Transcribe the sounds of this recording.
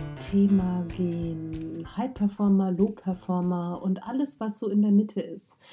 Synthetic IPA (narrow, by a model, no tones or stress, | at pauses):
tʰeːmaɡeːnhaɪpʰːɛɐfɔɐmɐloːpʰːɛɐfɔɐmɐʊntʔaləsv̥asz̥oːɪndeːɐmɪtʰəɪst